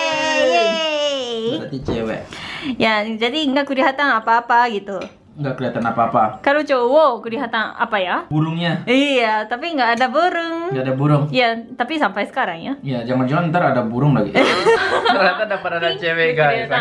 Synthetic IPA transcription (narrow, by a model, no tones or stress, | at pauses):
at̪it͡ʃɛwɛ̰ʔjad͡ʒadiŋɡaʔkuɾiɦat̪anapaːpaɡit̪u | ŋɡaʔkuɾiɦat̪anapaːpakalot͡ʃowokuɾiɦat̪ana̰pajabuɾʊŋɲaiat̪apiŋɡaʔːdabuɾʊŋɡaadabuɾʊŋijat̪apisampajsə̥kaɾaŋjaijad͡ʒaŋand͡ʒaant̪aɾaadabuɾʊŋlaɡḭʔ | ɾiɦat̪andapəɾadat͡ʃɛwɛɡaaa